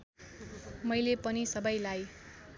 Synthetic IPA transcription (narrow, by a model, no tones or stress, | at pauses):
mʌjlepʌnisʌbʌjlaj